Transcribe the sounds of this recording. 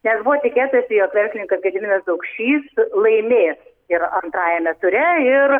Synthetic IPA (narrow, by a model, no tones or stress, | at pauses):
nʲɛsbʊʋoːt̪ʲɪkʲeːt̪ʊjsʲɪjoːkʋʲɛrʲsʲlʲɪnʲɪŋkɐsɡʲɛd̪ʲɪnʲɛsd̪ɐʊkʃʲt͡ʃʲiːslˠɐɪmʲeːs | ɪɾɐnt̪ɾɑːjɛmʲɛsʊɾʲɛɪɾ